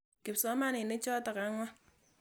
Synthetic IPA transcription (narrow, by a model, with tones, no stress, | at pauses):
ke˨p̚sɔ˨˦ma˦nɪ˨ne˦t͡ʃɔ˦tɔ˨ka˨˦ŋɔ˦